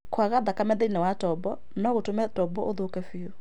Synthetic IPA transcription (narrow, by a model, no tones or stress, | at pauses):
kwaɣaðakamɛðɛinɛwatɔbɔ | nɔɣotomɛtɔbɔʔoðokɛfeo